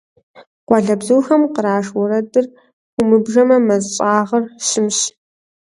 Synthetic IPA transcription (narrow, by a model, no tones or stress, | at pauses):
qʷɔɮɐbzuːxɐmqəɾaːʂwɔɾɐdɨrʷ | ʊmɨbʒɐmɐmɐzɕʼaːʁɐrɕɪmɕ